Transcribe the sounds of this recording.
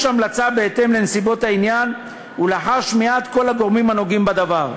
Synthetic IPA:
ʃamlat͡sabe̞et̪e̞mle̞nesibo̞t̪ainjan | ulaħaʃmeat̪ko̞laɡo̞ʁmimanoɡimbad̪avaʁ

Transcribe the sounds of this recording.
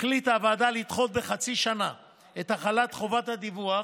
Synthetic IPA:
klit̪avaːd̪alit̪χo̞t̪̚be̞χat͡siʃana | et̪haχalat̪χo̞vat̪had̪ivua

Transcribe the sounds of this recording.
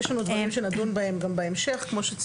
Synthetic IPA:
eʃlanud̪vaʁimʃenad̪unbaemɡambeemʃeχkmo̞ʃet͡s

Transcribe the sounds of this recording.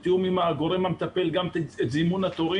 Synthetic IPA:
t̪eumimaːɡo̞ɾemamet̪ape̞lɡamet̪zimunat̪oʁi

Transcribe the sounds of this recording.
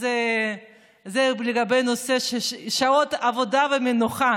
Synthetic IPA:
ze | zebleɡabejnoseʃeʃaot̪avod̪avemenuχa

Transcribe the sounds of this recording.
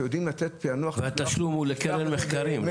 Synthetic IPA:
jod̪imlat͡set̪̚peanuaχvehat̪aʃlumhulekelenmeχkaɾim

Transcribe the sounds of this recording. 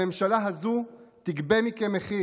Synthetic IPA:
emʃalaɦazut̪iɡbemikemeχi

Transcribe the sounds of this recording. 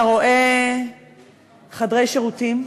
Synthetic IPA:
ʁo̞ʔe | χadʁejʃeʁutim

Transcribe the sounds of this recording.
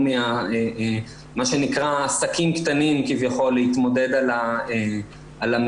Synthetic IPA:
meae | maʃe̞nikʁaːsakimkt̪animkivjaχo̞lːeit̪mo̞d̪e̞d̪alae | alam

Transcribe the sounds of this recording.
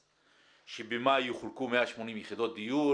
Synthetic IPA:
ʃebemajuχulkumeaʃmo̞nimjeχid̪o̞t̪̚d̪iju

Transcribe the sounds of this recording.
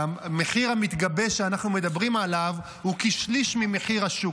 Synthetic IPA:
meχiʁhamit̪ɡabe̞ʃeanaχnume̞d̪abʁimalav | hukiʃliʃmimeχiʁaʃuk

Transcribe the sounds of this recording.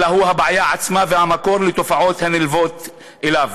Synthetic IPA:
aɦuɦabʕajaʕat͡smavehamako̞ʁlet̪o̞faʕo̞t̪hanilvo̞t̪ | ʔelav

